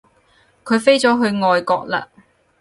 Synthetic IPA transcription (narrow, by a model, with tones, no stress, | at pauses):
kʰɵ˨˧ɥfe˥jt͡sɔː˨˥ɦɵ˧ɥŋɔː˨˧jkɔː˧k̚la̰ː˧